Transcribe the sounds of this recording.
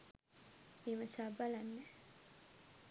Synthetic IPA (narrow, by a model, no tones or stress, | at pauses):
meməsaːbalanːe